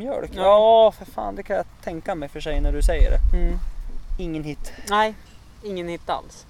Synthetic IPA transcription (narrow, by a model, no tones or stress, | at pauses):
mjœ̰ɭkɑfɪɾfa̰ːnd̪ɛkʰanjɑt̪ʰɛŋkamɛjfœʂɛjnæɖɵsɛjːə̰ɖɛ̰ | ɪŋːənhɪt̪ːnæj | ɪŋːənhɪt̪ːa̰ls